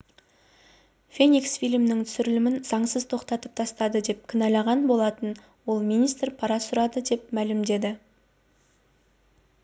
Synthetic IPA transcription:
fʲe̞nʲiksfʲijlmnɪŋt̪ʰʏ̥sʏɾɪlɪmɪnz̥ɑɴsəzt̪ʰo̞qt̪ɑt̪əp̚t̪ʰɑst̪ɑd̪əd̪e̞p̚kʲʰɪnɑlɑʁɑnbo̞lˠɑt̪ən | wo̞lˠmʲinʲist̪rpʰɑɾɑsʊɾɑd̪əd̪e̞pmælɪmd̪e̞d̪ɪ

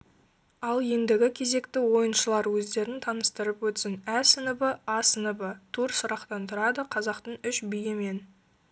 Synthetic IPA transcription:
ɑlˠje̞nd̪ɪɡʲɪkʲʰe̞ze̞kt̪ɪwo̞jənʃəlˠɑɾwɵzd̪e̞ɾɪnt̪ʰɑnəst̪əɾəpwɵt̪sɪnæsənəbəɑsənəbət̪ʰuɾsʊɾɑqt̪ɑnt̪ʰəɾɑd̪əqʰɑzɑqt̪əɴʏʃbijeme̞n

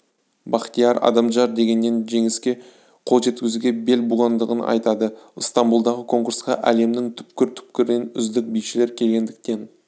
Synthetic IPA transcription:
bɑqt̪ijɑɾɑ̰d̪ɑmʒɑɾd̪e̞ɡʲe̞nːe̞nʒe̞ŋɪskʲe̞ | qʰo̞lˠʒe̞t̪kʲɪzuɡʲe̞be̞lbuʁɑnd̪əʁənɑ̰jt̪ɑd̪əəst̪ɑmbulˠd̪ɑʁəkʰo̞ŋkuɾsqɑʔæle̞md̪ɪŋt̪ʰʏ̥pkʲɪɾt̪ʰʏ̥p̚kʲɪɾd̪enʏ̰zd̪ɪk̚bijʃɪle̞ɾkʲʰe̞lɡʲe̞nd̪ɪk̚t̪e̞n

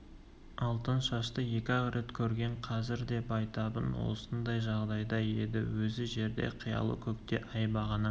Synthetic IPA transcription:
ɑlˠt̪ənʃɑʃt̪əje̞kʲɪɑʁɾe̞t̪kʲʰɵɾɡʲe̞ɴqʰɑzɪɾd̪e̞pɑjt̪ɑbənwo̞̰sənd̪ɑjʒɑʁd̪ɑjd̪ɑje̞d̪ɪ̰wɵzɪʒe̞ɾd̪e̞̰qʰijɑ̰lˠə̰kʲʰɵkt̪e̞ʔɑjbɑʁɑnə

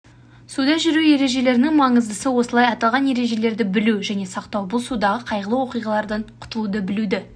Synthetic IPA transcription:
sud̪ɑʒʏɾuje̞ɾe̞ʒe̞le̞ɾɪnɪŋmɑɴəzd̪əsəwo̞səlˠɑjɑt̪ɑlˠʁɑnje̞ɾe̞ʒe̞le̞ɾd̪ɪbɪluʒæne̞sɑqt̪ɑwbʊlˠsud̪ɑʁəqʰɑjʁəlˠəwo̞qijʁɑlˠɑɾd̪ɑɴqʰʊ̥t̪əlˠud̪əbɪlud̪ɪ

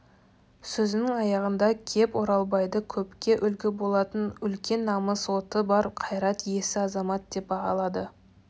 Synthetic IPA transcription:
sɵzɪnɪŋɑjɑʁənd̪ɑkʲʰe̞pwo̞ɾɑlˠbɑjd̪əkʲʰɵpkʲe̞ʔʏlɡʲɪbo̞lˠɑt̪ənʏlkʲe̞nːɑməswo̞t̪əbɑɾqʰɑjɾɑt̪je̞sɪɑzɑmɑt̪̚d̪̥e̞p̚bɑʁɑlˠɑd̪ə

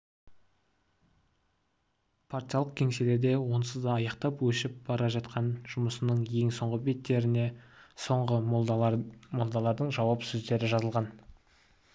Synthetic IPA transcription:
pʰaɾt̪ʲijalˠəq̚kʲʰe̞ŋse̞le̞ɾd̪e̞wo̞nsəzd̪ɑɑjɑqt̪ɑpwɵʃɪp̚b̥ɑɾɑʒɑt̪qʰɑnʒ̥ʊməsənəɴje̞ŋsoɴʁəbe̞t̪ːe̞ɾɪne̞so̞ɴʁə | molˠd̪ɑlˠɑɾd̪əɴʒɑwɑpsɵzd̪e̞ɾɪʒɑzəlˠʁɑn

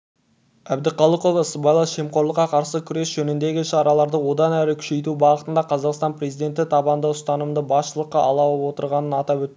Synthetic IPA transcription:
æbd̪ɪqɑlˠəqovəsəbɑjlˠɑʃe̞mqoɾlˠəqːɑqʰɑɾsəkʲʰʏɾe̞sʒɵnɪnd̪e̞ɡʲɪʃɑɾɑlˠɑɾd̪əwo̞d̪ɑnæɾɪkʲʰʏ̥ʃe̞jt̪ubɑʁət̪ənd̪ɑqʰɑzɑqst̪ɑnpre̞zijd̪ʲe̞nt̪ɪt̪ʰɑbɑnd̪əʊst̪ɑnəmd̪əbɑsʃəlˠəqːɑʔɑlˠɑwəpwo̞t̪əɾʁɑnənɑt̪ɑpwɵt̪ːɪ

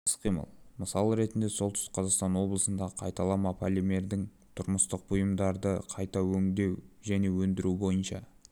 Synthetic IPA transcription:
sqʰijmə̰lˠməsɑlˠəɾe̞t̪ɪnd̪e̞solˠt̪ʏ̥sqʰɑzɑqst̪ɑnwo̞blˠəsənd̪ɑqʰɑjt̪ɑlˠɑmɑpʰalʲimʲe̞ɾd̪ɪŋ | t̪ʰʊɾməst̪əq̚bʊjəmd̪ɑɾd̪əqʰɑjt̪ɑwɵŋd̪e̞wʒæne̞wɵnd̪ɪɾubo̞jənʃɑ

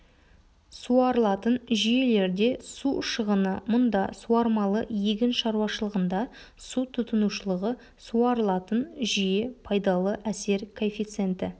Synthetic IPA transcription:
suɑɾəlˠɑt̪ənʒije̞le̞ɾd̪e̞suʃəʁənəmʊnd̪ɑsuɑɾmɑlˠəjeɡʲɪnʃɑɾuwɑʃəlˠəʁənd̪ɑ | sut̪ʰʊt̪ənuʃəlˠəʁə | suɑɾəlˠɑt̪ənʒije̞pʰɑjd̪ɑlˠəʔæse̞ɾkʰofʲijt̪sɨe̞nt̪ɪ

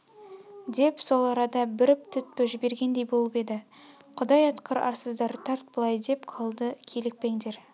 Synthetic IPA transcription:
d̪e̞pso̞lˠɑɾɑd̪ɑbɪɾɪp̚t̪ʰʏt̪̚pɪʒɪbe̞ɾɡʲe̞nd̪e̞jbo̞lˠəpe̞d̪ɪ | qʰʊd̪ɑjɑt̪qəɾɑ̰ɾsəzd̪ɑɾt̪ʰɑɾt̪̚bəlˠɑjd̪e̞pqʰɑlˠd̪əkʲʰe̞lɪk̚pe̞ŋd̪e̞ɾ

